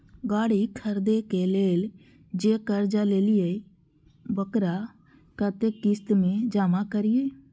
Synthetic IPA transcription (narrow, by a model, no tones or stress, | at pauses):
ɡaːɽiːkʰəɾd̪eːkeːleːl | d͡ʒeːkəɾd͡ʒaːleːlɪeː | bəkɾaː | kət̪eːkɪst̪mẽːd͡ʒaːmãːkəɾɪjeː